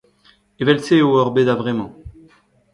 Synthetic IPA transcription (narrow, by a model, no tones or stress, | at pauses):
evɛlseoɔʁbed̪avʁɛmɑ̃